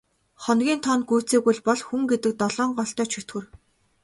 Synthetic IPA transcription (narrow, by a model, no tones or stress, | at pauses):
χɔnɡʲiːnt̪ʰɔnɡujʰt͡seːɣujɮpɔɮxuŋɡet̪ɘ̆k̚t̪ɔɮɔːɴɢɔɬt̪œːt͡ɕʰɵt̪ɡɘ̆r